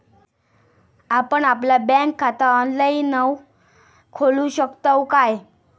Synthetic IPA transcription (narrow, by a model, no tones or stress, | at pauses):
apəɳaplabɛ̃ŋkʰːat̪aənləinəw | kʰoluɕəkt̪əwkaj